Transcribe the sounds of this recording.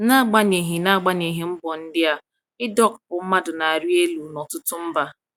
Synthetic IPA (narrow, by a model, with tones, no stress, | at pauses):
na˦˨ɡ͡ba˦ne˨ɦi˨na˦˨ɡ͡ba˦ne˨ɦi˨m̩˦bɔ˨n̩˦dɪ˦a˨ | ɪ˦dɔ˦kpʊ˨m̩˦ma˦dʊ˨na˨a˨ɾi˦e˦lu˨nɔ˨tʊ˦tʊ˦m̩˦ba˦